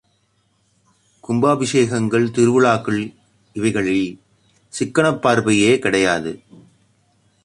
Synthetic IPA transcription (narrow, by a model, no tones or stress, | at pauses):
kʊmbaːbɪʂeːɣɐŋɡɐɭt̪ɪɾɯʋɯɭaːkːɯɭ | ɪʋɐɪɣɐɭɪl | sɪkːɐɳɐpːaːɾbɐjeːkɪɽɐjaːðɯ